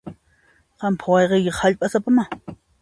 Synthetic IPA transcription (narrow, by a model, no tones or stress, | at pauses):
qɑmpʰawɑjqejkɪχhaʎpʼasapama